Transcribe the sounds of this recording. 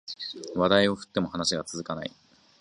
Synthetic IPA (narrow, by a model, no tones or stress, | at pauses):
βad̪aio̞ɸɯ̥t̪ːe̞mohanaɕiɡat͡sɨzɨkana̰ḭ